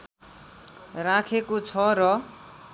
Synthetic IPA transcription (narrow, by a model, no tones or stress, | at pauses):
rãkʰekot͡sʰʌɾʌ